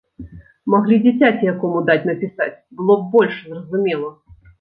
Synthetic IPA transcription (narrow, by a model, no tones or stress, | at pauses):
maɣlʲid͡zʲat͡sʲat͡sʲijakɔmud̪at͡sʲnɐpʲisa̰t͡sʲbɨlˠɔb̚bɔlʲʂzrɐzumʲɛlˠɐ